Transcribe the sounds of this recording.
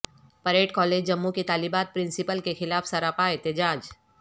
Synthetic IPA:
pɐɾeːʈkɔːleːd͡ʒd͡ʒɐmːũket̪aːlibaːt̪̚pɾɪ̃nsɪpəlkexɪlaːfsɐɾaːpaːɪt̪ɪd͡ʒaːd͡ʒ

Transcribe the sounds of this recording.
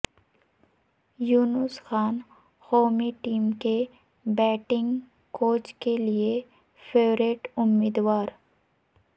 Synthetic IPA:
juːnʊsxaːn | hoːmiʈiːmke | bɛːʈɪ̃ŋɡ | koːt͡ʃkelie | fʰeːʋɾeːʈʊmːiːd̪waːɾ

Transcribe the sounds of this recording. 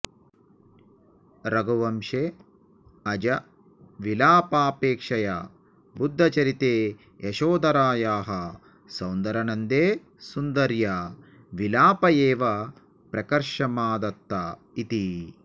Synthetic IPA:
ɾɐɡuʋɐmʃe | ɐd͡ʒɐ | ʋilaːpaːpeːkʂɐja̰ | bud̪ʱːɐt͡ʃɐɾit̪eː | jɐʃoːd̪ɐɾaːjaːɦɐ | sɐwnd̪ɐɾɐnɐnd̪eː | sund̪ɐɾjɐ | ʋilaːpɐjeːʋɐ | pɾɐkɐɾʃɐmaːd̪ɐt̪ːɐ | it̪i

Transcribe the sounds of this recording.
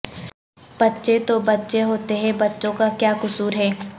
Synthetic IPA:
b̥ɐtːʃet̪obɐtːʃeɦoːt̪eɦɛ̃bɐtːʃõkakjaːkʊsuːɾɦɛː

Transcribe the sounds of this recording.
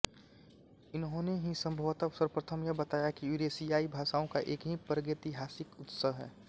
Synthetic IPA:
ɪnɦõneɦĩsə̃mbʱoːt̪asəɾpɾət̪ʰəmjabət̪aːjakiuɾesijaːibʱaːʃaːõkaʔeːkɦĩpɾəɡet̪iɦaːsɪkʊt̪səɦɦɛ̰ː

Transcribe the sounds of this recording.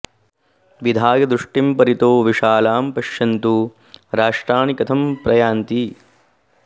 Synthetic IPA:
ʋid̪ʱaːɡɐd̪ɾuʂʈimpɐɾit̪oːʋiʂaːlaːmpɐʃjɐnt̪u | ɾaːʂʈɾaːɳikɐt̪ʰɐmpɾɐjaːnt̪i

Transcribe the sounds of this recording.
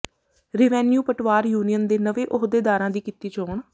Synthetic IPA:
ɾɪʋɛːnjuːpəʈʰʋaːɾjuːnijənd̪eːnəʋeːʔoɦd̪eːd̪aːɾãːd̪iːkɪt̪iːt͡ʃoːɳ

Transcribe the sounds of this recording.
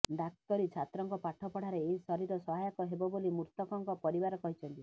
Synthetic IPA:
ɖak̚t̪ɔɾit͡ʃʰat̪ɾɔŋkɔpaʈʰɔpɔɽ̤aɾeːɦisɔɾiɾɔsɔɦajɔkɔɦebɔbolimuɾt̪ɔkɔŋkɔpɔɾibaɾɔkɔɦit͡ʃʰɔnt̪i

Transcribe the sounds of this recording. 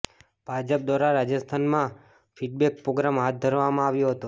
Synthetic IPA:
b̥ʱad͡ʒəp̚d̪ʋaɾaɾad͡ʒəst̪ʰanmã | fʰiɖ̚bɛk̚pɾoɡɾamɦat̪̚d̪ʱəɾʋamãaʋjõɦət̪o

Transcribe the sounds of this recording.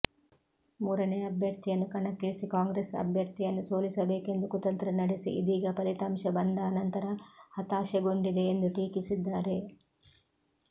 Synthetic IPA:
muːɾɐneːɐɐbʱjɐɾt̪ijɐnːukɐɳɐkːiɭisikaːŋɡɾesɐ̰bʱjɐɾt̪ijɐnːusoːlisɐbe̞ːke̞nd̪ukut̪ɐnt̪ɾɐnɐɽesḭid̪iːɡɐpɐɾit̪aːmʃɐbɐnd̪ɐːnɐnt̪ɐɾɐhɐt̪aːʃeɡoɳɖid̪e̞ːnd̪uʈ̪iːkisid̪ːaːɾe̞

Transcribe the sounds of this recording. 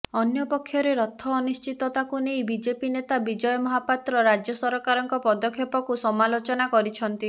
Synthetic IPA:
ɔnjɔpɔkʰːjɔɾeɾɔt̪ʰːɔːnust͡ʃit̪ɔt̪akunejbid͡ʒepinet̪abid͡ʒɔjɔmɔɦapat̪ɾɔɾad͡ʒjɔsɔɾɔkaɾɔŋkɔpɔd̪ɔkʰːjepɔkusɔmalot͡ʃɔnakɔɾit͡ʃʰɔnt̪i

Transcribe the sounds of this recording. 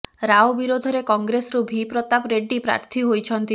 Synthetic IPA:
ɾaobiɾod̪ʱɔɾekɔŋɡɾesɾubʱipɾɔt̪apɾeɖipɾa̰ɾt̪ʰiɦojt͡ʃʰɔnt̪i

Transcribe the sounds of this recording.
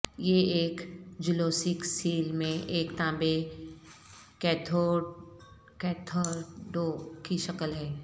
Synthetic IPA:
jeeːkd͡ʒɪloːsɪksiːlmẽʔeːkt̪ãːbe | kɛt̪ʰo | kɛːt̪ʰoːɾɖoːkiʃɐkəlɦɛː

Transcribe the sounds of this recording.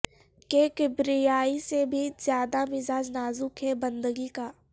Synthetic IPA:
kekebɾijaːisebʱizjaːd̪amɪzaːd͡ʒnaːzukʰɦebɐ̃nd̪əɡikaː

